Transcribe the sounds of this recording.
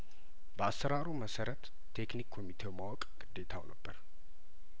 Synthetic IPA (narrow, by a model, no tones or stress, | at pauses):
bəasəɾaɾuməsəɾət̪ʰː | e̞knikʰːomit̪ʰe̞wmawɔkʼɡ̥ɨd̪ːe̞t̪ʰa̰wnəbːəɾ